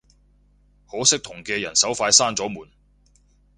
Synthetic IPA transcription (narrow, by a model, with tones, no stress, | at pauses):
ho˨˥wsɪ˥k̚t̪ʰʊ˨˩ŋkɛː˧jɐ˨˩nsɐ˨˥wfaː˧jsaː˥nt͡sɔː˨˥muː˨˩n